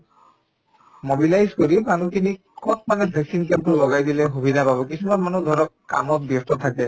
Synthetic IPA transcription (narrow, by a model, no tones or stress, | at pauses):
mobilajzkoɾimanut̪ini | kɔt̪̚manɛbʱɛksinkampulɔɡajd̪ileɦubʱid̪ʱapabɔkisʰumanmanud̪ʱɔɾɔkkːa̰mɔt̪̚bjɔst̪ɔt̪ʰake